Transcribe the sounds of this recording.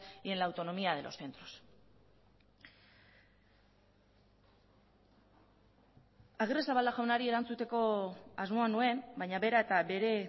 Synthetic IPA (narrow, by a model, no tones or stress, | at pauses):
ienlaːwt̪o̞nomiað̞e̞lʔo̞̰sθe̞nt̪ɾo̞̥s | aɣiresaβald̪aʝawnaɾie̞ɾant͡sut̪e̞ko̞azmo̞anue̞nbajɲaβe̞ɾae̞t̪abe̞ɾe̞